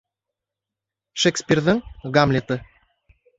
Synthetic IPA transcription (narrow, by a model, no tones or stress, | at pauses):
ʃekspʲirðəŋɡamlʲet̪ɤ